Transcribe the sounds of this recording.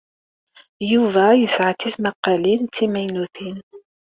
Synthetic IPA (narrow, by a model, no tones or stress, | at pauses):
juvæjəsʕat̪ismaqːɑlint̪ːimæjnuθin